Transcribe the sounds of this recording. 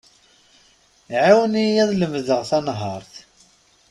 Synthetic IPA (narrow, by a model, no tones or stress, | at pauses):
ʕawənijæðləmðəʁθænɦəɾˤθ